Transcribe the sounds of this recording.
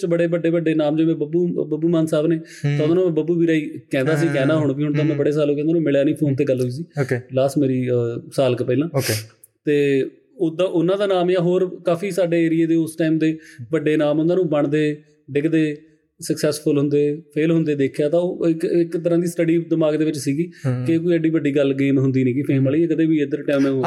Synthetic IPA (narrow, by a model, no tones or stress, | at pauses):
t͡ʃbəɽeːbəɖeːbəɖːeːnaːmd͡ʒoːmɛ̃ːbəbuːbəbuːmaːnsaːbneː | t̪aːʊd̪aːnũːm̃ːbəbuːbiːɾaːiːkɛ̃ːnd̪aːs̬ĩːkɛ̃ːnnaːɦʊɳ̃biːɦʊɳt̪aːmẽːbəɽeːsaːlõːkɛ̃ːnd̪aːnũːmɪɭjaːnĩːpʰoːnt̪eːɡəlɦoiːs̬iːokelaːsʈmeːɾiːsaːlkpəiːlãːoke | t̪eː | ʊd̪ãːʔʊnːãːd̪aːnaːmaːɦoːɾkaːpʰiːsaːɖeːeːɾɪjeːd̪eːʊsʈaːiːmd̪eːbəɖeːnaːmʊnãːnũːbəɳd̪eː | ɖɪkʰd̪eː | səksɛːspʰʊlɦʊnd̪eːpʰeːlɦʊ̃nd̪eːd̪eːkʰjaːt̪ãːoːɪkɪkt̪əɾãːd̪iːsʈəɖiːd̪əmaːɡd̪eːʋɪt͡ʃsiːɡiːkek̬oːiːəɖiːbəɖiːɡəlɡeːmɦʊnd̪iːnĩːkɪpʰeːməliːɛ̃ːkət̪eːbiːɪd̪əɾʈɛ̃ːmɛ̃